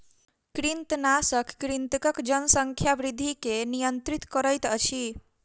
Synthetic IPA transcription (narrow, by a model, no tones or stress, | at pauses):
kɾint̪nasəkːɾint̪əkəkd͡ʒənsəŋkʰjabɾid̪ʱːikenijənt̪ɾit̪kəɾəjt̪ət͡ʃʰi